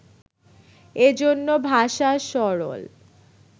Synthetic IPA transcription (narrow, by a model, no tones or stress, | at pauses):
ed͡ʑonːobʱaʃaʃɔɾo̰l